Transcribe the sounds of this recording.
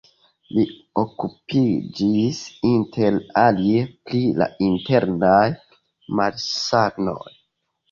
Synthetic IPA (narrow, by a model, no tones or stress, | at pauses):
li | okupid͡ʒisintʰelalieplila̰inte̞ɾnaj | maɾsaɡno̞̰j